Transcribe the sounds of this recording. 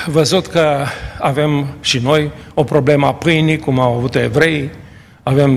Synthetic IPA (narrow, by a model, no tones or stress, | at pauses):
vəzut̪kəave̞mʃino̞jo̞pɾo̞ble̞məapɨjnikumawavut̪oe̞vɾe̞j | ave̞m